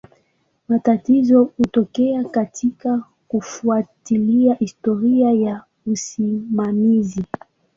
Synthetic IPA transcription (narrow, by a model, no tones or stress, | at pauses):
matatizɔhutɔkɛakatʰika | kufuatiliahistɔɾiaja | usimamizi